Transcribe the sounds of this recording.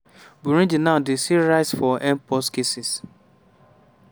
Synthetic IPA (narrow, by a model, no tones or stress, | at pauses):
buɾĩd͡ʒinaʊdesiɾaɪsfɔʔɛ̃mpɔskesis